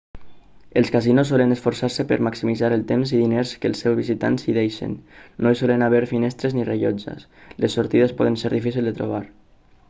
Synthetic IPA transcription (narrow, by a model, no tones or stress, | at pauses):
əlˠskazinosːɔlənəsfoɾsaɾsəpə̰ɾmaksimizaɾəlˠt̪emziðineɾskəlˠsːɛwzβizit̪a̰nziðejʃḛnːoisɔlənaβɛɾfinɛst̪ɾeznireʎɔd͡ʒə̰s | lesːoɾt̪iðespɔð̞ənseɾðifisilˠd̪ət̪ɾo̰β̞aɾ